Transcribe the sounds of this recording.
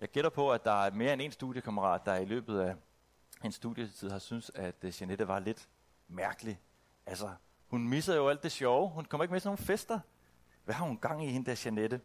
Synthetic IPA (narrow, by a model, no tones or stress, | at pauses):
jɑ̈ɪɡ̥e̝ɾɐpʰɒ̽æd̥ɑ̈æɐme̝ːɐene̝nsd̥uðˠjəkʰæməʁɑ̰̈ːd̥ːɑ̈ilø̰ːb̥ð̞̩ˠæ | e̝nsd̥ṵðˠjət͡sʰið̰ˠɑ̈synsæd̥ɕæneɾ̥əʋɑ̈le̝d̥ | mæɐɡ̥əli | ʔælsɐ | hunmisɐðjo̝æl̰d̥ːe̝ɕɒʊhunkʰɒ̽mɐeɡ̥met͡sʰno̝ːn̩fesd̥ɐ | ʋæhɑ̈hunɡ̥ɑ̈ŋ̰ihe̝nəd̥æɕæned̥ə